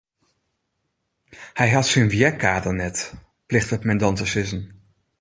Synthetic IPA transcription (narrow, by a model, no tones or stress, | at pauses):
hɛjɦɑtsənviɛkaːdəɹnɛt | plɪχtəmɛndɑntəsɪzən